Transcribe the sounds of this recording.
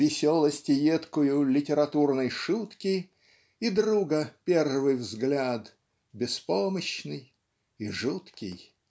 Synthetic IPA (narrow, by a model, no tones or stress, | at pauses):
vʲɪsʲolˠəsʲtʲɪjet̪kʊjʊlʲɪtʲɪɾɐt̪urnəjʂut̪kʲɪ | id̪ɾuɡəpʲervɨjvzɡlʲat̪ | bʲɪspoməɕnɨj | iʐut̪kʲɪ̰j